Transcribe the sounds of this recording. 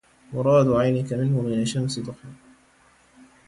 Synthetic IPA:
mʊɾˤɑːd̪ʊʕajnɪkamɪnhʊmɪnaʃːamsɪd̪ˤʊħɪ

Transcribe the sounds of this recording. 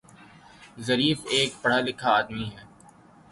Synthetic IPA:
zɐɾiːfeːkpɐɽ̤alɪkʰaaːd̪miɦɛː

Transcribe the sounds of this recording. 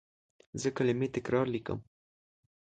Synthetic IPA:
zəkəlemit̪ekɾaɾlikə̰m

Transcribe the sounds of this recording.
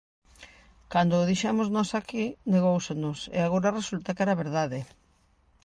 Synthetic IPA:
kand̪oːðiʃamoznɔsakineɣowsenʊsḛaɣ̞oɾɐresult̪ɐkɛɾaβeɾðaðe

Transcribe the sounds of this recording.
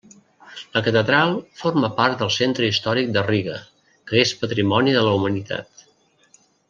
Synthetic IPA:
ləkət̪əðɾalˠforməpaɾt̪̚d̪əlˠsent̪ɾəist̪ɔɾik̚d̪əriɣə | kəespət̪ɾimɔniðələumənit̪a̰t̪

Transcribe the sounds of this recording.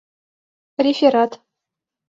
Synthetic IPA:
rʲefʲeɾat̪

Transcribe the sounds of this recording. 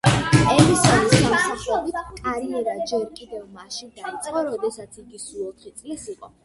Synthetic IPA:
ɛmisaɾiskamsaχlɛbit̪ʰkʼaɾiɛɾad͡ʒɛɾkʼid̪ɛvmaʃid̪ait̪sʼqʼɔɾɔd̪ɛsat̪sʰiɡisuɔt̪ʰχit̪sʼlisiqʼɔ

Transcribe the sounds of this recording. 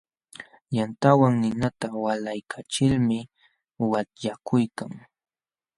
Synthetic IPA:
jant̪awaŋnɪnat̪awalajkʰat͡ʃɪlmɪ | wat̪ʎakʰʊjkaŋ

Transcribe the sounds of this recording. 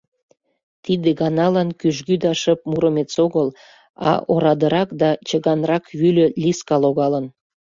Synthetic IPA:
t̪id̪eɣɑnɑlɑnkyʒɡyd̪ɑʃəp̚muɾəmet͡soɣəl | ɑ̰ʔoɾɑd̪əɾɑkd̪ɑt͡ɕəɣɑnrɑkβylø̆lʲiskɑloɣɑlən

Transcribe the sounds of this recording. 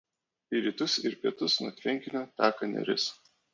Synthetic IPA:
iɾʲiːt̪ʊsɪɾpʲiɛt̪ʊsnuɔt̪ʲʋʲɪŋʲkʲɪnʲoːt̪ʲæːkɐnʲɛ̰ɾʲɪ̰s

